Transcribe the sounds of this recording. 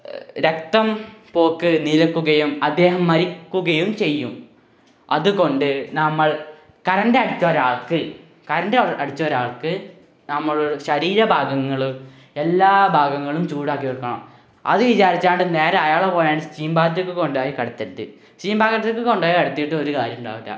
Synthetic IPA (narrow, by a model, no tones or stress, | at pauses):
ɾek̚t̪ɐmpo̞ːkːɨnilɐkːuɣɐjumɐd̪ːe̞ːɦɐmːɐɾikːuɣɐjumt͡ɕe̞jːum | ɐðɨko̞ɳɖɨnɐmːɐɭ | kɐɾɐndeɐɽit͡ɕːɐoːɾaːɭkɨ | kɐɾɐndeɐɽit͡ɕːoɾaːɭkɨ | nɐmːɐɭuɕɐɾiːɾɐbʱaːɡɐŋːɐɭum | e̞lːaːbʱaːɡɐŋːɐɭumt͡ɕuːɽaːk̬ːiʋɐɭkːɐɳɐ̰m | ɐ̰ðɨʋit͡ɕaːɾit͡ɕːaːɳɖɨne̞ːɾɐɐjaːɭepoːjaːɳɖɨst͡ɕiːmbaːt̪ːɾɐkːɨko̞ɳɖaːjikɐɽɐt̪ːɐt̪ːɨ̰ | t͡ɕiːmbaːkɐɐkːɨkoɳɖaːjikɐɽɐt̪ːijiʈːɨo̞ɾukaːɾjɐmuɳɖa̰ːʋɐtːa̰ː